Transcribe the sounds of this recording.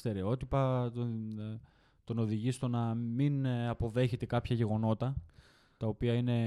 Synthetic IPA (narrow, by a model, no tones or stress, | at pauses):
st̪e̞ɾe̞o̞t̪ipɐ | t̪o̞no̞ðiʝist̪o̞nɐminɐpo̞ðe̞çe̞t̪e̞kɐpçɐʝe̞ɣo̞no̞t̪ɐ | t̪ɐo̞piɐine̞